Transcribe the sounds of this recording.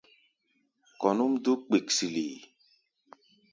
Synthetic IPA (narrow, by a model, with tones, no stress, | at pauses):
kɔ˨nu˦mdo˦k͡pe˨ksi˨lḭ˨